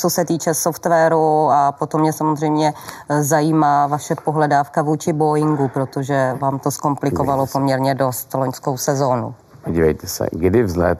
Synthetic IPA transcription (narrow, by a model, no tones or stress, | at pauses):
t͡so̞sɛt̪iːt͡ʃɛsoft̪vɛɾuapo̞t̪o̞mːɲɛsamozr̝ɛjmɲɛzajiːmaːvaʃɛpo̞ɦlɛdaːfkavuːt͡ʃɪbojɪŋɡupɾo̞t̪oʒɛvaːmt̪o̞sko̞mplɪkovalopo̞mɲɛɾɲɛdo̞st̪lo̞ɲsko̞wsɛzo̞ːnṵ | poɟiːvɛjt̪ɛsɛ̰ɡdɪvzlɛ̰t̪̚